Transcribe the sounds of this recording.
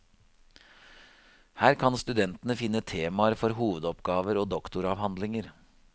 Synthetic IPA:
hæːɾkʰɑnst̪ʉd̪ɛnt̪ənəfɪnːət̪ʰeːmɑəɾfɔɾɦuːʋəd̪ɔpɡɑːʋəɾoːd̪ɔkt̪ʊɾɑʋhɑnd̪lɪŋəɾ

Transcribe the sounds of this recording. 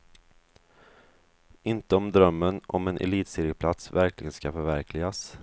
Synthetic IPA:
ɪnt̪əɔmd̪ɾœmːənɔ̰mɛnʔɛ̰liːt̪sɪːɾɪɡ̚pʰlat̪svæɾklɪɡənskafœɾvæɾkʰlɪɡas

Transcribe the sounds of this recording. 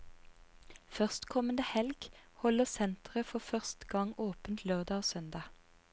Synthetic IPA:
fœʁst̪kʰɔmən̩d̪əhɛlɡ̥hɔləʁsɛnt̪ʁəfɔfœʁst̪ɡɑŋoːpənt̪ʰløːʁd̪ɑːosœnd̪ɑː

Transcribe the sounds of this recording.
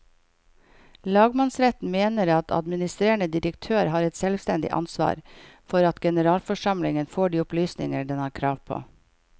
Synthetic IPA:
lɑːɡmɑnsɾɛt̪n̩meːnəɾɑt̪ʰɑ̰d̪mɪnɪst̪ɾeːəɳəd̪ɪɾəkt̪ʰøːɾɦɑːɾɛt̪sɛlʋst̪ɛnd̪ɪ̰ʔɑ̰nsʋɑ̰ːɾfɔɾɑt̪ɡɛnəɾɑːlfɔʂɑmlɪŋənfoːɖiːʊplyːsnɪ̰ŋəɖɛnhɑːɾkʰɾɑːʋpʰo̰ː

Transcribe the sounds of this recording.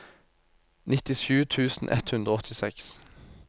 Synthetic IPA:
nɪt̪ɪʃʉːt̪ʰʉːsn̩ʔɛ̰t̪hʉnd̪ɾəoːɔt̪ʰɪsɛks

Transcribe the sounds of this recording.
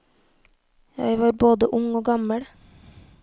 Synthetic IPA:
jæ̰ɪʋɑːɾboːd̪əʔʊŋoːɡɑməɽ

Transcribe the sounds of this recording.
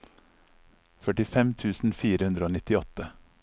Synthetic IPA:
fœʈɪfɛmt̪ʰʉːsn̩fiːɾəhʉnd̪ɾəoːnɪt̪ɪɔt̪ə

